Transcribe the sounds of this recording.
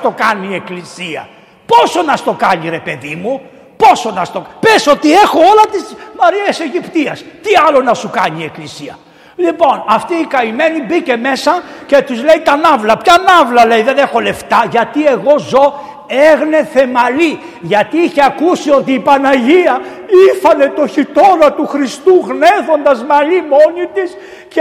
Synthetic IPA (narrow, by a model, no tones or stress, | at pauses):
t̪o̞kɐnie̞klisiɐ̰ | po̞so̞nɐst̪o̞kɐɲiɾe̞pe̞ðimu | po̞so̞nɐst̪opeso̞t̪ie̞xo̞olɐt̪ismɐɾiese̞ʝipt̪iɐst̪iɐlo̞nɐsukɐɲie̞klisiɐ | lipo̞nɐft̪iːkɐime̞nibice̞me̞sɐce̞t̪uzle̞it̪ɐnɐvlɐpçɐnɐvlɐle̞jðe̞nexo̞le̞ft̪ɐʝɐt̪ie̞ɣo̞zo̞ | eɣne̞θe̞mɐli | ʝɐt̪iiçe̞ɐkusio̞t̪iːpɐnɐʝiɐ | ifɐne̞t̪o̞çit̪o̞ɾɐt̪uxɾist̪uɣne̞θo̞nd̪ɐzmɐlimo̞nit̪is | ce